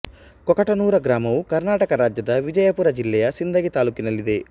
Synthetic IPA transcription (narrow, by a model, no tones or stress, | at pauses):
kɔkɐʈɐnuːɾɐɡɾaːmɐʋukɐɾnaːʈɐkɐɾaːd͡ʒjɐd̪ɐʋid͡ʒɐjɐpuːɾɐd͡ʒilːɛjɐsind̪ɐɡit̪aːluːkinɐlːid̪e̞